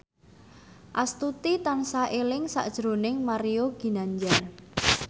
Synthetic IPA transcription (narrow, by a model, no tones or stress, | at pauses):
ʔast̪ut̪it̪ansaʔelɪŋsa̰ʔd̥ʒ̥ɾo̤nɪŋmaɾioɡ̥i̤naɲd͡ʒan